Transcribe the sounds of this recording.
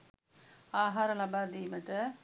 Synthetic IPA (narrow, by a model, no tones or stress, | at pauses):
aːɦaːɾɐlɐbaːd̪imɐʈːɐ